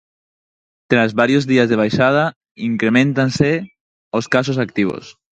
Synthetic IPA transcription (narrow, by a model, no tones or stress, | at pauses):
t̪ɾazβaɾjozðiazðeβajʃað̞a | iŋkɾemẽnt̪anse | oskas̬os̬akt̪iβ̞o̰s